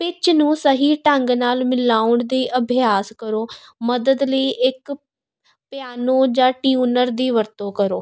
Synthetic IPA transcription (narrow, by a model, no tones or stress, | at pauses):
pɪt͡ʃnũːsəɦiːʈəŋɡnaːlmɪlaːʊɳd̪iːʔəbʱɪjaːskəɾoːməd̪əd̪ləiːʔɪk | pɪjaːnõːd͡ʒãːʈiuːnəɾd̪iːʋəɾt̪õːkəɾoː